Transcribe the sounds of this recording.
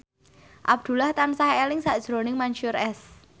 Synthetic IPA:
ʔab̚d̪̥ṳlaht̪ansaɦelɪŋsaʔd̥ʒ̥ɾo̤nɪŋmanʃuɾɛs

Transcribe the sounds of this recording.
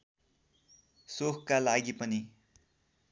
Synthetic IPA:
sokʰkalaɡipʌni

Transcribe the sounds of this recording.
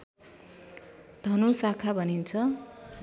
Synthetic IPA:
d̪ʱʌnusakʰabʱʌnint͡sʰʌ

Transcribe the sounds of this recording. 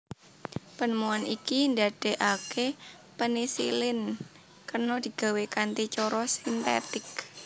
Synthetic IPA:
pənəmuanikinda̤d̥e̤ʔake | pənisḭlɪn | kərnɔd̪̥i̤ɡ̥a̤wekant̪it͡ʃɔɾɔsint̪ḛt̪ɪk

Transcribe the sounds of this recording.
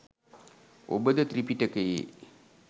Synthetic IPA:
o̰bəd̪ɐt̪ɾipiʈɐkəjḛ

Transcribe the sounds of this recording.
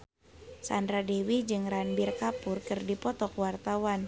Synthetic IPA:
sandɾadewid͡ʒɨŋɾanbirkapʊrkɨrdipɔt̪ɔkwart̪awan

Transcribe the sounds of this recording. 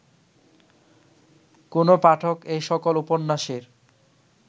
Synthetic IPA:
konopaʈʰokejʃɔkoluponːaʃeɾ

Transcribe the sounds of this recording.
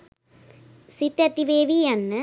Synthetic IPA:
sit̪jɐt̪iʋeːʋiɐnːɨ

